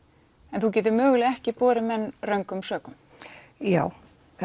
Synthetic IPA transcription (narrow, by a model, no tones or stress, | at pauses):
ɛnθuc̬ɛːt̪̬ɪɾmœːɣlɪɛhcɪpɔːɾɪmɛnːrœŋkʏmsœːkʏm | jaːw